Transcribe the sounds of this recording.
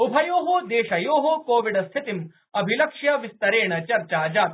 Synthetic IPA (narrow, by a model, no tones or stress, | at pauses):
ubʱɐjoːɦod̪eːʃɐjoːɦokoːʋiɖɐst̪ʰit̪im | ɐbʱilɐkʂjɐʋist̪ɐɾeːɳɐt͡ʃɐɾt͡ʃaːd͡ʒaːt̪